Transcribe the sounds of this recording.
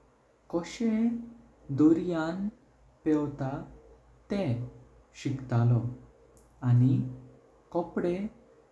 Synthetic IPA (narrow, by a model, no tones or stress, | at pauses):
kɔɕe | d̪oɾjan | pɛwt̪a | t̪ɛ̃ | ɕikt̪alɔ | ani | kɔpɽe